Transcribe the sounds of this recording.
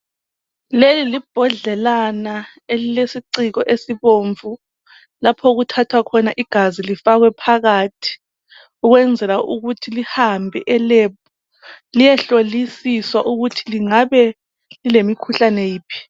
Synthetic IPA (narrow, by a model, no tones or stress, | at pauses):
lelilib̥ʱɔɮɛlana | elilesiǀiɣɔʔesiβoːɱvu | lapʰɔɣutʰatʰwakʰɔnaʔiɡ̥ʱazilifaɣwɛpʰaɣatʰi̥ | uɣwɛnd͡zʱɛlauɣutʰilihambʱɛ̰ʔɛlepu | lijɛɬolisiswaʔuɣutʰiliŋaβɛ | lilemikʰuɬanejiːpʰi̥